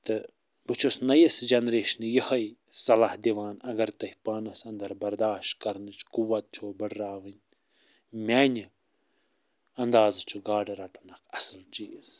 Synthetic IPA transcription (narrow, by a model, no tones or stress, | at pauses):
t̪ɨ | bɨt͡ʃʰosnɐjisd͡ʒɐnɾeːʃnɨjəhɐj | sɐlahd̪iʋaːnɐɡɐɾt̪ɐhpaːnɐsɐnd̪ɐɾbɐɾd̪aːʃtkɐɾnɨt͡ʃʰkuwɐt̪̚t͡ʃʰoːbəɽɾaːʋɨnʲ | mʲaːnʲi | ɐnd̪aːzɨt͡ʃʰuɡaːɖɐɾɐʈunɐkʰɐsɨlt͡ʃiːs